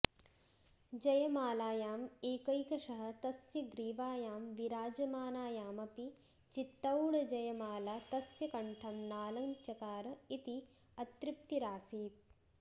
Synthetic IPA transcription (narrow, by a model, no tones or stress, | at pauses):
d͡ʒɐjɐmaːlaːjaːmeːkɐjkɐʂɐɦɐ̆t̪ɐsjɐɡɾiːʋaːjaːmʋiɾaːd͡ʒɐmaːnaːjaːmɐpi | t͡ʃit̪ːɐwɽɐd͡ʒɐjɐmaːlaːt̪ɐsjɐkɐɳʈʰɐmnaːlɐŋt͡ʃɐkaːɾɐit̪i | ɐt̪ɾip̚t̪iɾaːsiːt̪̚